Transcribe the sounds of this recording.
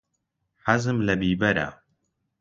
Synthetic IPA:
ħazɨmlɐbiːbɐɾa̰

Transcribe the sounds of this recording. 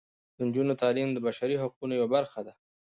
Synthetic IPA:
d̪̥ənd͡ʒunot̪ɑlimd̪əbaʃaɾiɦaq̚unojawabaɾxad̪a

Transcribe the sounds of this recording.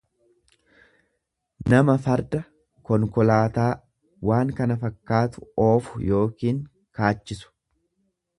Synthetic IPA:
nɐmɐfɐɾd̪ɐ | kɔŋkɔlaːt̪aː | waːŋkɐnɐfɐkːaːt̪ʊ̥oːfʊ̥jo̞ːkiːŋ | kaːt͡ʃːɪsʊ̥

